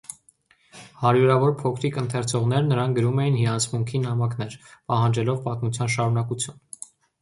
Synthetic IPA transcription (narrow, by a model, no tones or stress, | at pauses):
hɑɾjuɾɑvɔɾpʰɔkʰɾikənt̪ʰɛɾt͡sʰɔʁnɛɾnəɾɑŋk̚ɡəɾumɛjinhiɑnt͡sʰmuŋkʰinhɑmɑkʰn̪ɛɾpɑhɑnd͡ʒɛlɔvpɑt̪mut͡sʰjɑnʃɑɾunɑkut͡sʰjun